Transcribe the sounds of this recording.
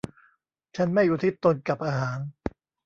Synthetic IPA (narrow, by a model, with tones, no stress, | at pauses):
t͡ɕʰa˦˥nma˥˩juː˨˩t̪ʰi˦˥˩t̪ːo˧nka˨˩p̚ʔaː˧ɦaː˩˦n